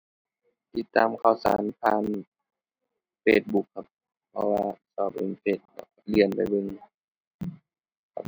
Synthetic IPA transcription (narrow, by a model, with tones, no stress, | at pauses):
t̪i˧t̪ːaː˧mkʰa˧˩wsa̰ː˨˦npʰaː˧n | feː˧˩t̪̚bu˧˦kʰːa˧p̚ | pʰɔ˧waː˧sɔː˧˩p̚ʔe˧˨nfeː˧˩t̪̚lɔ˧˩ka˧˩li˧ənpa˧˩jbɯ˧ŋ | kʰa˧˩p̚